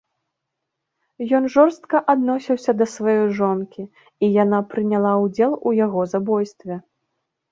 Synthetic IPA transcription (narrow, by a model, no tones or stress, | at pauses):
jɔnʐɔrst̪̚kɐʔad̪nɔsʲiwsʲɐd̪ɐsvajɔjʐɔnkʲi | ijanapɾɨnʲalˠawd͡zʲɛlˠujaɣɔzabɔjst̪vʲɛ